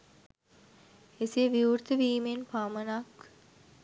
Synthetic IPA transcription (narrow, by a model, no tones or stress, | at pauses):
esiʋiuɾt̪əʋiːmenpamənak